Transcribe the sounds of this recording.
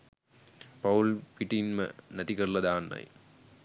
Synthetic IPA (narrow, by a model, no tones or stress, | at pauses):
pɐulpiʈːinmɐ̰nɐðikɐɭːɐðaːnːɐ̰j